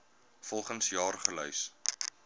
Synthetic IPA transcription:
fɔlˠχənsjɑːrχəlœɥs

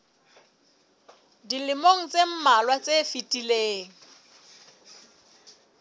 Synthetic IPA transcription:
dilɪmoŋ̩t͡sem̩malwat͡sʼefitʼileːŋ̩

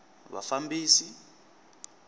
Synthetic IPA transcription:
βa̰fambiːsi

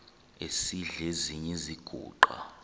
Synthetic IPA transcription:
esiɮeziɲɛziɡ̥ʱṵːǃa̰

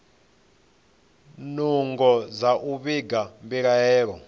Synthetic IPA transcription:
nuŋɡɔzaʔuβiɡambiɺajɛːɺɔ

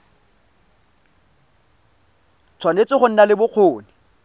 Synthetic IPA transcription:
t͡sʰwanet͡sɪχʊn̩nalɪbʊq͡χʰoːnɪ

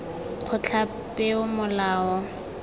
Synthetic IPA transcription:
k͡xʰʊt͡ɬʰa | pʼɪʊmʊlaːɔ

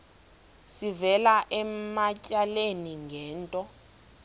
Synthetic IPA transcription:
sivɛlaʔɛmacʼaleniŋɡʱɛːntʼɔ

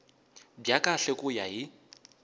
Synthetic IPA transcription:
bjakʼaɬɛkʼʊjaɦɪ

